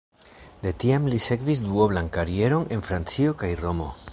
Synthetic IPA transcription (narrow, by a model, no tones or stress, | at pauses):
d̪e̞tiamlise̞kvis̬duoβlankaɾie̞ɾo̞ne̞nfɾant͡sio̞kajro̞mo̞̰